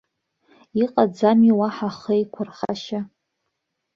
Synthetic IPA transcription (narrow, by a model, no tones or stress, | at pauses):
iqʼad͡zamiwaħaχejkʷʰʊrχa̰ʃa